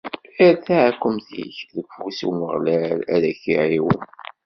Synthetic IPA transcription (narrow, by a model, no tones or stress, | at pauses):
iɾθæʕækʷːəmθḭçðəɡfusuwməʁlælæ̰ðæçiʕiwə̰n